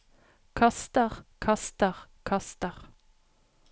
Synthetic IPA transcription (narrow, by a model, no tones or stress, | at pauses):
kʰɑst̪əʁkʰɑst̪əʁkʰɑst̪əʁ